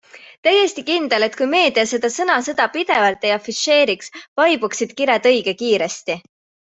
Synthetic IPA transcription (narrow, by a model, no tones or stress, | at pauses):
t̪æjest̪ikind̪̥e̞le̞t̪kujme̞ːd̪̥iɑse̞d̪ɑsɤnɑsɤd̪̥ɑpid̪̥e̞vɑlt̪ːˑe̞jɑfiʃe̞ːɾiksvɑjb̥uksid̪̥kiɾɑd̪ɤjɡ̥ekiːɾest̪i